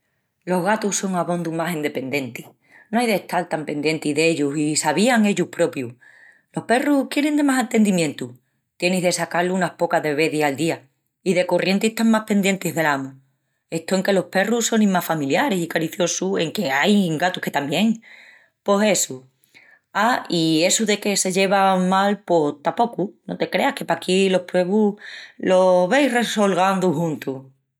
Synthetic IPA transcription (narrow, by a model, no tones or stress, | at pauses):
lo̞ɦɣat̪uso̞ŋaβo̞nd̪umasind̪e̞pe̞nd̪e̞nt̪i | noajðe̞ht̪alt̪ampe̞nd̪je̞nt̪iðe̞ʎusisaβ̞iaŋe̞ʎuhpɾo̞pju | lo̞hpe̞ruhkje̞ɾe̞nd̪e̞masant̪e̞nd̪imjẽ̞nt̪u | t̪je̞niɦðe̞sakaluunahpo̞kaðe̞βe̞ðisald̪ia | iðe̞ko̞rʔje̞nt̪iet̪aŋmahpe̞nd̪je̞nt̪iɦðe̞lamu | e̞ht̪oeŋke̞lo̞hpe̞ruso̞nĩmafamiljaɾesikaɾiθjo̞sue̞ŋke̞ajŋɡat̪uhke̞t̪ambje̞ŋ | po̞se̞su | aie̞suðe̞ke̞se̞ʝe̞βamalpo̞ht̪apo̞kuno̞̰t̪e̞kɾe̞ahke̞pakilo̞hpɾe̞βulo̞βe̞jre̞solɣ̞and̪uhũnt̪u